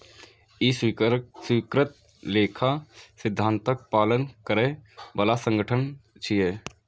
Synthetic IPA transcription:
issikɾɪt̪̚ | leːkʰasɪd̪ʱːãːnt̪ək̚paːlənkəɾẽbəlasə̃ŋɡəʈʰənt͡ʃʰieː

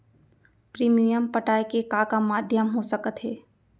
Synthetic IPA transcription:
pɾiːmijəmpəʈaːjkekaːkamaːd̪ʱjəmɦosəkət̪ɦeː

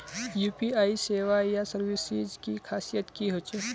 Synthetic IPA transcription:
juːpiaiseʋajasəɾʋisid͡ʒkikʰasijət̪kiɦot͡ʃe

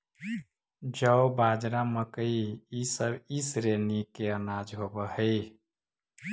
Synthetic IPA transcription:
d͡ʒəwbad͡ʒɾaməkəiisəbisɾenikeənad͡ʒɦobəhəj

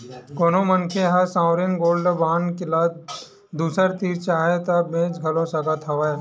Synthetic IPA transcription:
konõmənkʰeɦɐsãːʊɾenɡoːlɖəbaːnkɪlaːd̪ | d̪uːsəɾt̪iːɾt͡ʃaːɦet̪ɐbẽːt͡ʃɡʱɐlõsɐɡət̪ʰɐʋae

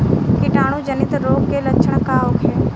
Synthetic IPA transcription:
kɪʈaːɽ̃ũd͡ʒənɪt̪ɾoːɡkeləkːt͡ʃʰəɳ̃kaːokʰeː

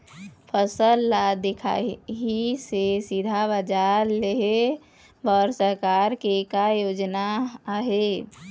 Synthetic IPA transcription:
pʰəsəlːad̪ekʰa̰ɦisesid̪ʱabəd͡ʒaɾleɦe | bəɾsəɾkaɾkekajod͡ʒnaːɦe

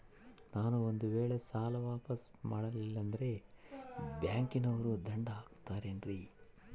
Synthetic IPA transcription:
naːnuond̪uʋeːɭesaːlɐʋaːpɐs | maːɽɐlilːɐnd̪ɐɾe̞ | bjaːŋkinɐʋɐɾud̪ɐɳɖɐaːkt̪aːɾe̞ːnɾiː

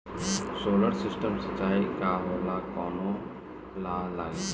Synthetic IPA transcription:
soːləɾsɪsʈəmsət͡ʃaːikaɦoɾlakɔːno | lalaːɡi

